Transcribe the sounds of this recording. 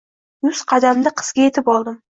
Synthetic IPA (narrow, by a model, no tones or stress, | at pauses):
jʊzqʰɑd̪amd̪ɪqʰɨ̥z̥ɡʲaje̞t̪ʰɪpɒlˠd̪ɪm